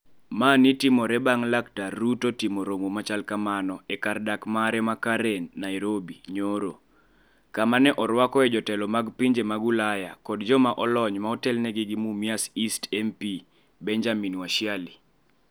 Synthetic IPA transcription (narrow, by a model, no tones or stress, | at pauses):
manitimɔɾɛbaŋlaktarːutotimoɾomomat͡ʃalkamanɔɛkardakmaɾɛmakaɾɛnːajɾobiɲoɾo | kamanɛʔɔɾwakɔɛd͡ʒɔtɛlɔmaɡpiɲd͡ʒemaɡulaja̰kɔdd͡ʒɔmaʔɔlɔɲmaɔtɛlnɛɡɪɡimumiasistɛmpi | bɛɲd͡ʒaminwaʃɪali